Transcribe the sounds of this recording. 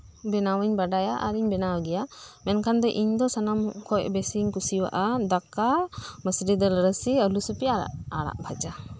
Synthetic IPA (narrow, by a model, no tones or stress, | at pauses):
bɛnawəɲbaɖajaʔa̰ɾiɲbɛnawɡɛjamɛnkʰand̪ɛʔiɲd̪ɔsanamʔkʰɔjbɛsiɲkusiwa̰ʔad̪akaməsɾid̪ɛlɾəsiəlusupia̰aɽa̰ʔbʱad͡ʒa